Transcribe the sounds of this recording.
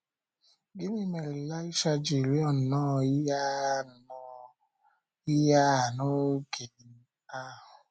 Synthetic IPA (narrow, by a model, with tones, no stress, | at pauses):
ɡɪ˦mɪ˦me˨ɾɪ˨la˦i˦ʃa˦d͡ʒi˨ɾi˦ɔ˨n̩˨nɔː˦ja˦˨˦ | i˦ja˦˨no˦ke˨n̩˦a˦˨ɦʊ˨